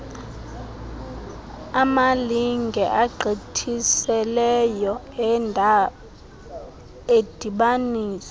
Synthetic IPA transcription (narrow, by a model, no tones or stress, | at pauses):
amaliŋɡʱɛʔaɡ͡ǃʱitʰisɛlɛjɔ | ed̥ʱiɓaniːsɛ̥